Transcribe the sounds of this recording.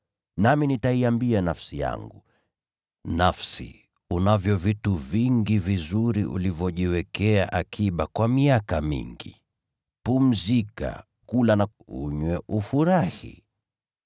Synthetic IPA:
naminitaiambianafsija̰ŋɡu | nafsḭ | unavjɔvituviŋɡivizuɾiʔṵlivjɔʄiwɛkɛaʔakʰiɓakwamiakamḭŋɡi | pum̩zika̰ | kulana | ṵɲwɛʔufuɾahḭ

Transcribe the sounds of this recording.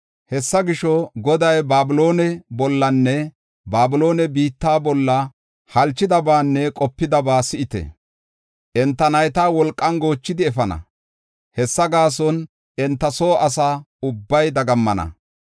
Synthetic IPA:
hɛsːɐɡɪʃɔɡɔd̪ɐjbaːbɪlo̞ːnɛbɔlːɐnːɛ | baːbɪlo̞ːnɛbiːt̪ːaːbɔlːɐ | hɐlt͡ʃːɪd̪ɐbaːnːɛkʼɔpːɪd̪ɐbaːsɪʔɪt̪ɛ̰ | ʔɛnt̪ːɐnɐjt̪aːwɔlkʼːɐnɡo̞ːt͡ʃːɪd̪ɪɛfɐnɐ̰ | hɛsːɐɡaːs̬ɔn | ɛnt̪ːɐso̞ːʔɐsaː | ʊbːɐjd̪ɐɡɐmːɐnɐ̰

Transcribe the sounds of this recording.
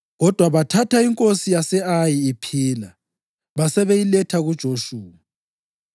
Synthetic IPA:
ɣɔd̥ʱwaβatʰatʰaiŋkʼosijasɛajiːpʰiːla | βasɛβejilɛtʰaɣud̥ʒ̥ʱoʃuːa

